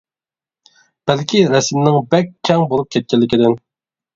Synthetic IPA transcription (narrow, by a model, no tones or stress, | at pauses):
b̥ælkʲʰiɾɛsɪmnɪŋbɛkʲʰːɛŋbolˠup̚kʲʰɛt̪̚kʲɛlːɪkʲid̪ɪn